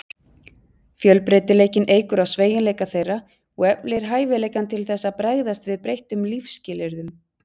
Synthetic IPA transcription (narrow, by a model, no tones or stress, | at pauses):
fjœlpɾejt̪ɪleːjcɪnʔeːjkʏɾaðsveːjɪnleːjkaθejrːa | ɔɣɛpnɪɾ̥ɦaːjvɪleːjkant̪ʰɪlθɛsːapɾajɣðast̪vɪðpɾejht̪ʏmlifscɪːlɛɾðʏm